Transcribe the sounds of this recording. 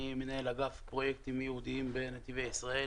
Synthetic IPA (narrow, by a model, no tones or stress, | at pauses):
imenahe̞laɡafpʁo̞jekt̪imjehud̪iimbenet̪ivejisʁae